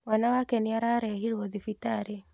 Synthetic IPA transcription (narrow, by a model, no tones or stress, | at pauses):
wanawakɛniaɾaɾɛɦiɾwɔðifitaɾe